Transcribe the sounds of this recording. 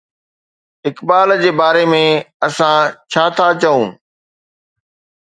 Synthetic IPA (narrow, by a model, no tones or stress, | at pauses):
ɪkbaːld͡ʑeːbaːɾemẽɐsãt͡ɕʰaːt̪ʰat͡ɕɐũː